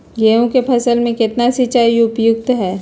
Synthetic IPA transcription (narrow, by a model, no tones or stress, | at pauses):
jeːõkepʰɐsəlmẽkɪt̪nasit͡ʃaːiʊpjʊk̚t̪ɦɛː